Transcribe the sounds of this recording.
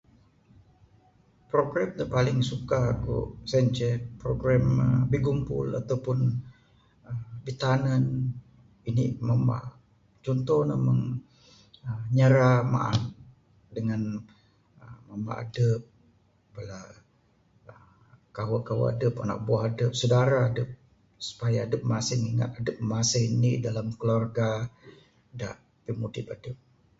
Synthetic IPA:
pɾoɡɾɛmt̪əpalɪŋsukakṵʔsɛnt͡ʃɛpɾoɡɾɛməbiɡumpʊ̰la̰t̪awpʊn | əbit̪anən | iniməmba̰ | t͡ʃɔnt̪ɔhnəməŋ | əɲəɾama̰ʔa̰t̪ | dəŋan | əmama̰a̰dəp̚ | bəla | ə | kaɦwəkawə̰a̰dəpana̰k̚buaɦadəp̚sədaɾaːdəp̚ | su̥pajaːdəp̚masɪŋiŋa̰t̪̚adəp̚masɪɦinidalamkəlarɡa | da̰ʔ | pimudɪpadəp̚

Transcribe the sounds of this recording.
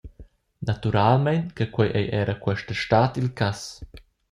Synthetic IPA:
nat̪uɾalmɛnt̪kəkwɛjʔɛjʔɛɾəkwɛʃtəʃtaːt̪ilkas

